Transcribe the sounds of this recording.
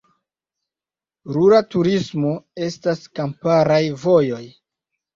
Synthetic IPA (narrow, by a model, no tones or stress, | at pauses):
ɾuɾatuɾismo̞e̞staskampaɾajvo̞jo̞j